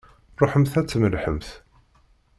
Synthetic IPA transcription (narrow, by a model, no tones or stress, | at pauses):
rˤoħəmθæt͡sːməlħəmθ